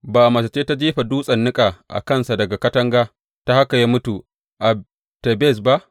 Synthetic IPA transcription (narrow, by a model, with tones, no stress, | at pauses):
baː˨ʔa˨mɐ˨sa˨t͡ʃeː˦ta˦d͡ʒiː˦ɸa˨duː˦sʼɐ˨nːɪ˦kʼaː˨ʔa̰˨kɐ˦nsa˨dɐ˨ɡa˨kɐ˦tɐ˦ŋɡaː˦ | ta˦ha˦ka˨ja˦mʊ˦tuː˨ | ʔa˨ | te˨be˦˨s̬ba˦ʔ